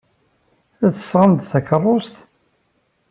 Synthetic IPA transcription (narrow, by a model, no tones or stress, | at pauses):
æθə̥sʁənd̪θækːərˤːost̪